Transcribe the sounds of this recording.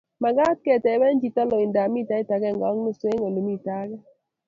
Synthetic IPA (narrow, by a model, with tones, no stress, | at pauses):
ma˨ɡa˦t̚kɛ˨tɛ˨˦wɛ˦nd͡ʒi˨tɔ˦lo˨ɪ˨nda˨mi˦˨ta˦i˦ta˨ɡɛ˦˨ŋɡɔ˦ŋno˦se˦ŋo˨lo˨mi˦˨ta˦ɡɛ˦